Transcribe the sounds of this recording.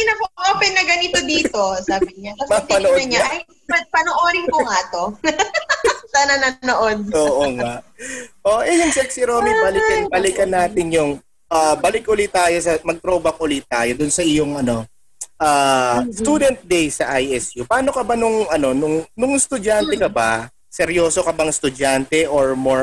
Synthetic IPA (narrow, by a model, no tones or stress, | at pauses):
nɐpʔoːpɛnːɐɡɐnit̪od̪iːt̪o̞saːbɪɲaɐmɐpɐnoʔɐɲɲaɐj | ɐpɐnoʔoːɾɪŋkoŋat̪o̞ | sɐnɐnanoʔod̪̚oʔoːŋaʔʔoʔɛjʊŋsɛk̚sɪɾoːmibɐlɪkɐnbɐlɪkɐnːaːt̪ɪɲjʊŋ | ʔabɐlɪk̚ʔʊlit̪aːjo̞sɐmɐɡ̚t̪ɾoːbɐk̚ʔʊlit̪aːjod̪ʊnsɐɪjoŋʔɐno̞ | ʔaːst̪uːd̪ɛnt̪̚d̪ejsɐʔajʔɛsjupɐaːno̞kɐbanʊŋɐno̞nʊŋnʊŋst̪ʊd͡ʒant̪ɛkɐba | sɛɾjoːso̞kɐbɐŋst̪ʊd͡ʒant̪ɛʔoɹmoɹ